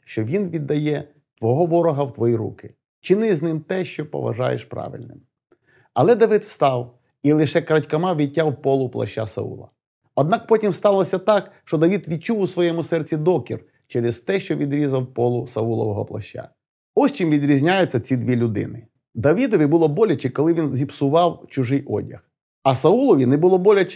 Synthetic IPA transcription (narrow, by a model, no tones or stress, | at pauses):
ʃt͡ʃɔʋʲinʋʲid̪ːɐjɛ | t̪ʋɔɦɔʋɔɾɔɦɐwt̪ʋɔjiɾṵkɪ | t͡ʃɪnɪznɪmt̪ɛʃt͡ʃɔpɔ̰ʋɐ̰ʒɑ̰jḛʃpɾɑ̰ʋɪ̰lʲnɪ̰m | ɐlˠɛd̪ɐʋɪd̪wst̪ɑw | ilˠɪʃɛkɾɐtʲkɐmɑʋʲitʲːawpɔlˠʊplˠɐ̰ʃt͡ʃa̰sɐ̰ṵlˠɐ̰ | ɔd̪nɑk̚pɔtʲimst̪ɑlˠɔsʲɐt̪ɑkʃt͡ʃɔd̪ɐʋʲit̪ʋʲit͡ʃuwʊsʋɔjɛmʊsɛrt͡sʲid̪ɔkʲḭr | t͡ʃɛɾɪzt̪ɛʃt͡ʃɔʋʲid̪ɾʲizɐwpɔlˠʊsɐulˠɔ̰ʋɔɦɔ̰plˠɐ̰ʃʲt͡ʃa̰ | ɔsʲt͡ʃimʋʲid̪ɾʲizʲnʲajʊt͡sʲːɐt͡sʲid̪ʲʋʲilʲʊd̪ɪ̰nɪ | d̪ɐʋʲid̪ɔʋʲibʊlˠɔbɔlʲɐt͡ʃɪkɔlˠɪʋʲinzʲipsʊʋɑwt͡ʃʊʒɪjʔɔ̰dʲɐ̰x | ɐsɐulˠɔʋʲinɛbʊlˠɔbɔlʲɐt͡ʃ